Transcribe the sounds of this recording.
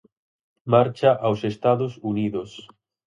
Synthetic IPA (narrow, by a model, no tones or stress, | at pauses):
maɾt͡ʃaʔawsest̪aðosuniðos